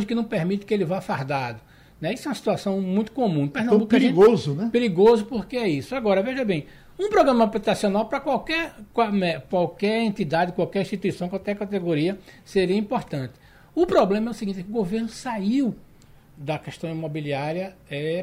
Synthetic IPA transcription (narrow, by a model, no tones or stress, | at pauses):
ʒɪkɪnɐ̃w̃peɾmit̪ɪ̥kɪelɪvafaɾd̪ad̪ʊ | nɛisʊɛw̃ɐsi̥t̪uasɐ̃w̃mũj̃t̪ʊ̥kõmũpɛɾnɐ̃bukpɾiɡozʊnɛpeɾiɡozʊpoɾkeɛisʊaɡɔɾɐveʒɐbẽj̃ | ũpɾɔɡɾɐ̃mɐaplit̪asionawpɾɐkwawkɛɾkamɛkwawkɛɾẽnt̪id̪ad̪ɪkwawkɛɾĩʃt̪it̪uisɐ̃w̃kwawkɛkat̪eɡoɾiɐseɾiɐĩpoɾt̪ɐ̃nt̪ɪ̥ | ʊpɾɔblẽmɐɛʊsiɡĩt̪ɛkɪʊɡoveɾnʊsaiw | d̪ɐkɛʃt̪ɐ̃w̃imobiliaɾiɐɛ